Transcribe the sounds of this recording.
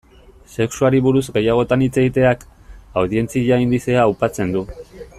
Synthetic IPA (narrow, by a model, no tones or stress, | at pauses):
se̞ksuaɾiβuɾuzɡe̞jaɣ̞o̞t̪anit͡se̞ɣit̪e̞akawðie̞nt͡siʎaind̪iseaːwpat͡se̞nd̪u